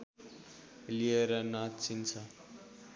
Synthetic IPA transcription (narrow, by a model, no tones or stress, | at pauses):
lieɾʌnat̪t͡sʰint͡sʰʌ